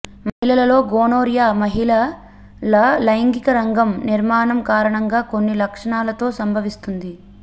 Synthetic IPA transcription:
mɐɦilɐlɐlo̞ːɡoːnoːɾjaːmɐɦilɐ | lɐlɐjŋɡikɐɾɐŋɡɐmniɾmaːɳɐmkaːɾɐɳɐŋɡaːkonːilɐkʂɐɳaːlɐt̪o̞ːsɐmbʱɐʋist̪und̪i

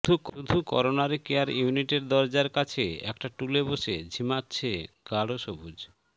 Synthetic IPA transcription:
d̪ʱukud̪ʱukɔ̰ɾonaɾikeaɾjuniʈeɾd̪ɔɾd͡ʑaɾkat͡ɕʰeɛ̰kʈaʈuleboʃed͡ʑʱimatːt͡ɕʰe | ɡ̥aɽoʃobud͡ʑ

